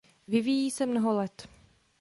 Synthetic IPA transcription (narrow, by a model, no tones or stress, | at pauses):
vɪvijiːsɛmnoɦolɛt̪